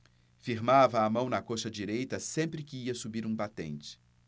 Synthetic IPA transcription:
fiɾmavɐːmɐ̃w̃nɐkoʃɐd͡ʒiɾejt̪ɐsẽmpɾɪkɪiɐsubiɾũbat̪ḛ̃nt͡ʃɪ̥

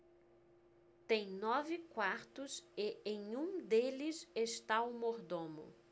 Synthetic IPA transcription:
t̪ẽj̃nɔvɪkwaɾt̪ʊsɪẽj̃ũd̪elɪseʃt̪aʊmoɾd̪õmʊ̰

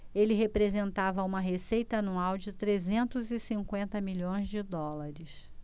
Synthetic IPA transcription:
elɪɦepɾezẽnt̪avɐũmɐɦesejt̪ɐanuawd͡ʒɪt̪ɾezẽnt̪ʊzɪsĩŋkwẽnt̪ɐmiʎõj̃zd͡ʒɪd̪ɔlaɾɪs

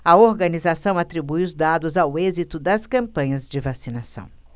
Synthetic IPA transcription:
ɐoɾɡɐnizasɐ̃w̃at̪ɾibujʊzd̪ad̪ʊzawezit̪ʊd̪ɐskɐ̃mpɐ̃ɲɐzd͡ʒɪvasinasɐ̰̃w̃

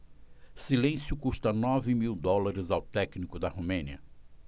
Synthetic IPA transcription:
silẽsjʊkuʃt̪ɐnɔvɪmiwd̪ɔlaɾɪzawt̪ɛknikʊd̪ɐhumẽniɐ̰

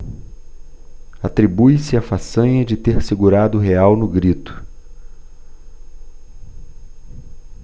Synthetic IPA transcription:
at̪ɾibujsɪafasɐ̃ɲɐd͡ʒɪt̪eɾsɪɡuɾad̪ʊɦeawnʊɡɾit̪ʊ̥

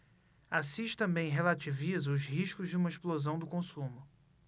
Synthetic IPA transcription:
asiʃɪ̥t̪ɐ̃mbẽj̃ɦelat͡ʃivizɐʊzhiʃkʊzd͡ʒɪũmɐeʃplozɐ̃w̃d̪ʊkõsũmʊ

